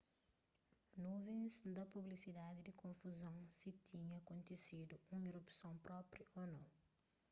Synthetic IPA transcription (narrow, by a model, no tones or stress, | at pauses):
nuvẽzd̪ɐpublisid̪ad̪id̪ikõfuzɐ̃w̃sit̪ʰiɲɐɐkõnt̪esid̪uũiɾupsɐ̃w̃pɾɔpɾjɐʔonɐ̃w̃